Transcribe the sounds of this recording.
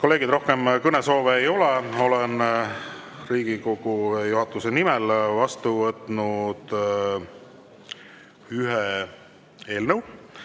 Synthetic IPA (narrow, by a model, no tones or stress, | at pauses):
ko̞le̞ːɡ̥id̪ro̞hkemkɤneso̞ːveːjo̞leo̞len | riːɡ̥iko̞ɡ̥ujuɦɑt̪ːˑuse̞nimɛlvɑst̪uvɤt̪ːˑnud̪̥ | yɦe | e̞ːlnəw